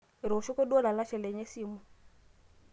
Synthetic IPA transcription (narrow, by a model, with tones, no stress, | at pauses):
ɾʃɔ˦kɔ˦ɗɔ˦la˨la˦ʃɛ˨lɛ˨ɲɛ˦si˦˨mu˨